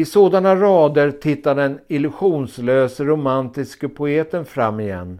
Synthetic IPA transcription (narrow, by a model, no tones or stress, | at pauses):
ɪsoːd̪anaɾɑːd̪əɾt̪ʰɪt̪ːaɖɛnɪlɵɧuːnsløːsəɾʊmant̪ɪskəpʰʊeːt̪ənfɾa̰mːɪjɛ̰nː